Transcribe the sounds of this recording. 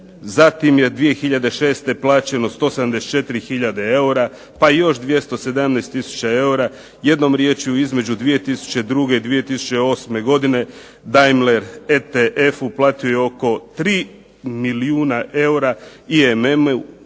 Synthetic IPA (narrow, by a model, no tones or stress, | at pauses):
zat̪imje̞d̪ʋije̞xiʎad̪e̞ʃe̞ːst̪e̞plˠaːt͡ɕe̞no̞st̪oːsed̪amd̪e̞st͡ʃe̞t̪iɾixiʎad̪ee̞uɾa | paijo̞ʃd̪ʋje̞st̪o̞sed̪amneːst̪ːisu̥t͡ɕae̞uɾa | je̞d̪no̞mɾjet͡ɕuizme̞d͡ʑud̪ʋije̞t̪isu̥t͡ɕe̞d̪ɾuɡe̞id̪ʋije̞t̪isu̥t͡ɕe̞o̞sme̞ɡo̞d̪ine̞ | d̪ajmleɾet̪eʔe̞fuplˠaːt̪iojeo̞ko̞t̪ɾiː | miliuːnaʔe̞uɾaiemem̰